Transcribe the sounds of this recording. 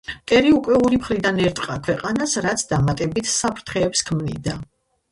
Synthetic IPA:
t̪ʼɛɾiukʼwɛuɾimχɾid̪anɛɾt̪ʼqʼakʰwɛqʼanasɾat̪sʰd̪amat̪ʼɛbit̪ʰsapʰɾt̪ʰχɛːpskʰmnḭd̪a

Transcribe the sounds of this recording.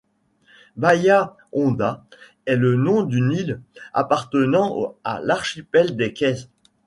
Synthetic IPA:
baja | ɔ̃d̪a | ɛlənɔ̃d̪ynila̰paʁt̪ənɑ̃a̰laʁʃipɛld̪ekʲɛz

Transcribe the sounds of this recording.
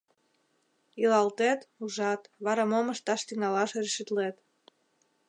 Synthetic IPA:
ilɑlt̪et̪uʒɑt̪βɑɾɑmoməʃt̪ɑʃt̪iŋɑlɑʃerʃyt̪let̪

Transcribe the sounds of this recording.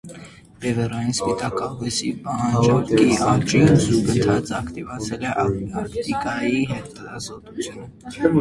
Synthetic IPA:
bɛvɛrɑjinspit̪ɑkɑɦujsipɑɦɑnd͡ʒɔkiɑt͡ʃʼinzuɡənt̪ʰɑt͡sʼɑkʰt̪ivɑt͡sʰɛlɛʔɑɑkt̪ikʼɑjiɦɛt̪əlɑ̰zɔt̪ʼut͡sʰjunə

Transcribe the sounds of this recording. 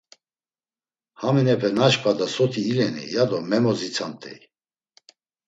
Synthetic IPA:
haminɛpʰɛnaʃpʰʼad̪asɔt̪ʰiːlɛnḭjad̪ɔmɛmɔzit͡sʰant̪ʼɛ̰j

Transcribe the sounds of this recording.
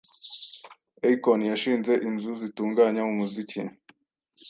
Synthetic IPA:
eikonjaʃiːnze̞ʔinzuzituːŋɡaɲamumuzicḭn

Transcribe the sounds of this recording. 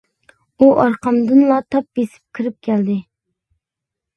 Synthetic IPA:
uʔɑɾqʰɑmd̪ɨnlˠɑt̪ʰɑp̚besɪ̥p̚kʲʰiɾɪp̚kʲʰɛld̪ɪ

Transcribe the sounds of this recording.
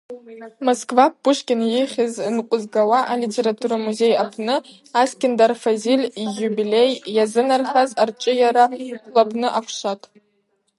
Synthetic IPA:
moskʼvapːʊʂkʲʼɪnjɪχʲɪzɨnqʷʼʊzɡawaʔalitʰe̞ɾatʰuɾamuze̞japʰnɨ | askʲɪndarfazilʲiːubile̞jːazɨnarχazart͡ʃʼɨjaɾalapʰʼnɨʔakʷʰʂatʼ

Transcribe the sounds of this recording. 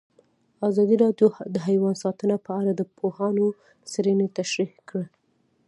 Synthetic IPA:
ɑzɑd̪iɾɑɖjod̪əɦajwɑnsɑt̪ənapəaɽad̪əpʰohɑno | sɾənet̪aʃɾihkɽə

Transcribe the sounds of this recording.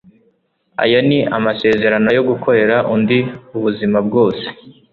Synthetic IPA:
a̰janiʔamase̞ːze̞ɾano̞jo̞ɡukʰo̞ɾe̞ɾaʔundiuβuzimab̚ɡo̞ːse̥

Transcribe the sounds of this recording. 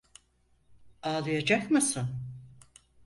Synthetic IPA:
aːlˠɯjad͡ʒakmɯsɯn

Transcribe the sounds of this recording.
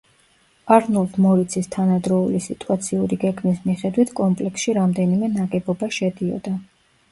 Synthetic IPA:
aɾnuld̪ʰmɔɾit̪sʰist̪ʰanad̪ɾɔulisit̪ʼuat̪sʰiuɾiɡɛɡmismiχɛd̪wit̪ʰkʼɔmpʼlɛksʃiɾamd̪ɛnimɛnaɡʼɛbɔbaʃɛd̪iɔ̰d̪a

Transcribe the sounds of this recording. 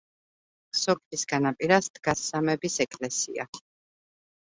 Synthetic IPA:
sɔkʼisɡanapʼiɾasd̪ɡasːamɛbisɛkʼlɛsḭa̰

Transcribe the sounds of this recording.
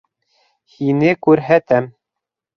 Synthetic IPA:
hinɘkʉɾɦæt̪æm

